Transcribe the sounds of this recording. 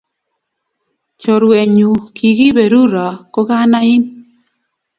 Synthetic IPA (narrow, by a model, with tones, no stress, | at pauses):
t͡ʃo˨ɾwe˨ɲu˨kʰi˨ɣi˦be˨ɾu˦ɾa˨ko˦ka˦na˦i˦n